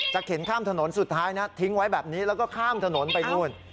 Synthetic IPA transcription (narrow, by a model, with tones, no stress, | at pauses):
t͡ɕa˨˩k̚he˩˦nkʰaː˥˩mt̪ʰa˧no˩˦nsu˨˩t̪ʰːaː˦˥jna˦˥t̪ʰi˦˥ŋwa˦˥jbɛː˨˩p̚niː˦˥lɛː˦˥wkɔː˥˩kʰaː˥˩mt̪ʰa˧no˩˦npa˧jnu˥˩ən